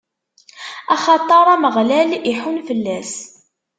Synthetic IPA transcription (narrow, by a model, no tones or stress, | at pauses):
ɑχɑt̪ˤːɑɾˤɑməʁlæliħunfəlːæs